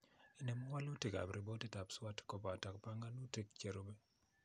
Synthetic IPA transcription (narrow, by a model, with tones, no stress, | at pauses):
ɪ˨ne˨mɔ˦wa˦lo˦te˨ka̰˨bɾi˨bo˦ti˦ta˨pswa˦tkɔ˨pɔ˨a˨ta˨kpa˦ŋɡa˦no˦te˦kt͡ʃe˨ɾo˦be˦